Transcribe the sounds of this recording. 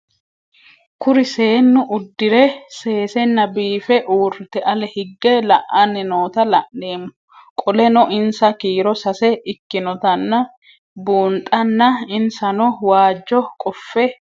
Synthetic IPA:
kʊɾɪseːnːʊʔʊd̪ːɪɾɛse̞ːsɛnːɐbiːfɛʔuːɾt̪ɛʔɐlɛhɪɡːɛlɐʔɐnːɛno̞ːt̪ɐlɐʔne̞ːmʊ | kʼɔlɛnɔʔɪnsɐkiːɾɔsɐsɛɪkːɪnɔt̪ɐnːɐ | buːnt̪ʼɐnːɐɪnsɐnɔwaːd͡ʒːɔkʼɔfːɛ

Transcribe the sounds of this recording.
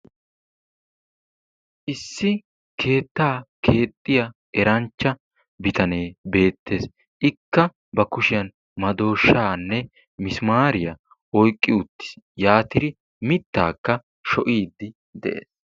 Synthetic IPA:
ʔɪsːɪ | kʰe̞ːt̪ːaːkʰe̞ːt̪ʼːɪjɐ | ɛɾɐnt͡ʃːɐ | bɪt̪ɐne̞ːbe̞ːt̪ːe̞ːs | ʔɪkːɐ | bɐkʊʃɪjɐn | mɐd̪o̞ːʃːaːnːɛ | mɪsmaːɾɪjɐ | ɔjkʼːɪʊt̪ːɪ̥sjaːt̪ɪɾɪ | mɪt̪ːa̰ːkːɐ | ʃɔʔiːd̪ːɪ | d̪ɛʔḛːs

